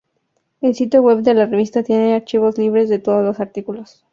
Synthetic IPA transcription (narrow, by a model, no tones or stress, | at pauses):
elsit̪joɣwe̞βd̪e̞lareβ̞ist̪at̪je̞ne̞aɾt͡ʃiβo̞zliβ̞ɾe̞zðe̞t̪o̞ðozlosaɾt̪ikulos